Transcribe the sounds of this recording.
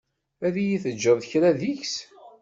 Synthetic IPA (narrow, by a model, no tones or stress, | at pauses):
æðijiθəd͡ʒːəððəçɾæðiçs